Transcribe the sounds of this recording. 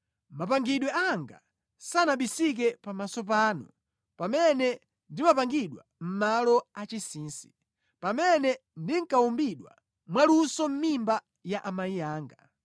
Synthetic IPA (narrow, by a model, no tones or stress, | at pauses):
mapaŋɡiɗwɛaŋɡa̰ | sanaɓisik̬ɛpamasɔp̬aːnu | pamɛnɛ | ndimapaŋɡiɗwam̩malɔat͡ʃisiːnsi̥ | pamɛnɛndiŋ̩kaumbiɗwa̰ | mwalusɔm̩mimba | jaʔamaijaːŋɡa